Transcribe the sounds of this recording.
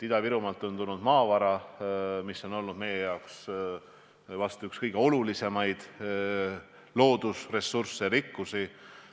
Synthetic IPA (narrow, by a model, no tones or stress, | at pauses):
t̪id̪̥ɑviɾumɑlt̪ːˑont̪unud̪̥mɑːvɑɾɑmisːo̞no̞lnud̪̥me̞jejɑoks | vɑst̪uykskɤjɡ̥e̞o̞lulise̞mɑjd̪̥ | lo̞ːd̪̥usre̞sursːeɾikːusi